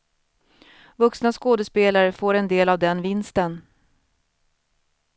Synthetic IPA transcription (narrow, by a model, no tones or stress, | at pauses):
vɵksnaskoːd̪əspeːlaɾəfoːɾɛnd̪eːlavd̪ɛnvɪnst̪ən